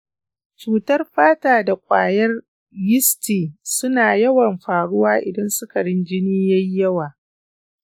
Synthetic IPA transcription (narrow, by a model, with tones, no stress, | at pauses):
t͡ʃuː˨tɐ˦rɸaː˦taː˨da˨kʷʼa̰ː˨jɐ˦r | jɪ˦stiː˨sʊ˦naː˨jɐ˦wɐ˨mɸaː˨ɽʊ˦waː˦ʔɪ˨dɐ˦nsʊ˦ka˨ɽɪ˦nd͡ʒɪ˦niː˦jɐ˦jjɐ˦waː˨